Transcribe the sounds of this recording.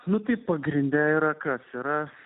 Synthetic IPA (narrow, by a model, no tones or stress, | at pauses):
nʊt̪ɐɪpɐɡɾʲɪnʲd̪ʲæiɾɐkɐsiɾɐ